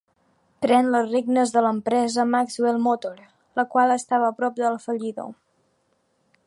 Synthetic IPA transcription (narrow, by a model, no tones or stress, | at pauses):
pɾɛnləsreɡnəzðələmpɾɛzəmakzwelˠmot̪oɾ | ləkwalˠəst̪aβəːpɾɔp̚d̪əlfəʎiðo̰